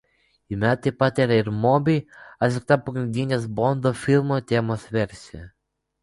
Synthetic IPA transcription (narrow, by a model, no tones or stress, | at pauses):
ɪmʲæt̪ɐɪpɑt̪iɾɐɪɾmɔːbʲɪɪɐt̪ʲlʲɪk̚t̪ɐpɐɡɾʲɪnʲd̪ʲinʲeːs̬bɔnd̪oːfʲɪlˠmoːt̪ʲeːmoːsʋʲɛɾʲsʲe